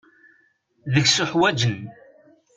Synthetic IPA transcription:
ðəɡsʊħwæd͡ʒən

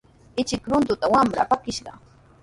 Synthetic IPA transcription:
ɪt͡ʃɪkɾʊnt̪ʊt̪awamɾa̰pakɪʃɢɑ̰

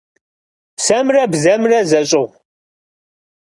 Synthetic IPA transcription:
sɐmrɐbzɐmrɐzɐɕʼɪʁ

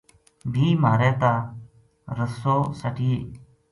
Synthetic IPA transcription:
bʱiːmaːɾɛːt̪aː | ɾəsoːsəʈiːeː

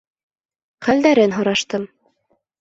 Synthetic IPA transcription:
χæld̪æɾɘnɦŏɾɑʃt̪ɤm

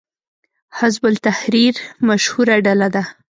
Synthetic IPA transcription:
hɪzbʊlt̪ahɾiɾmaʃhuɾaɖalad̪a

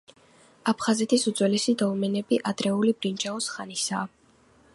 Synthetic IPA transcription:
apʰχazɛt̪ʰisud̪z̥wɛlisid̪ɔlmɛnɛbiʔad̪ɾɛulibɾind͡ʒaɔsχanisaː

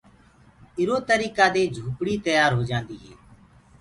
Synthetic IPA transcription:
ɪɾoːt̪əɾiːkaːd̪eːd͡ʒʱuːkɽiːt̪əjaːɾɦoːd͡ʒãːnd̪iːɦɛ̰ː

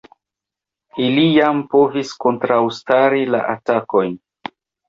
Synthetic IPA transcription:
ilijampo̞visko̞ntɾawstaɾila̰ʔatako̞jn

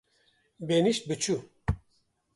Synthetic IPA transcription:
beniʃt̪̚bɨt͡ʃʰu

